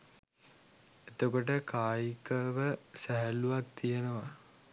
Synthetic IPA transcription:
et̪okoʈ̬əkaːjikəʋəsæɦæluʋak̚t̪ijenəʋa

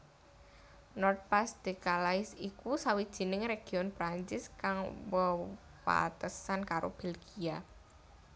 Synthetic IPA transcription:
nɔrt̪̚pasd̪̥e̤kalaɪsikusawid̥ʒ̥i̤nɪŋreɡ̥i̤ɔnpɾaɲt͡ʃɪskaŋwə | wa̰t̪əsankaɾo̰b̥elɡia

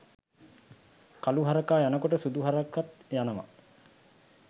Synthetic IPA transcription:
kaluɦaɾəkaːjanəkoʈəsud̪uɦaɾakːat̪janəma̰

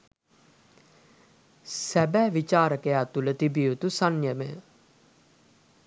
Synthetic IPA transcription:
sæbæːʋit͡ʃaːɾəkejaːt̪ulət̪ibijut̪usanjəməjə

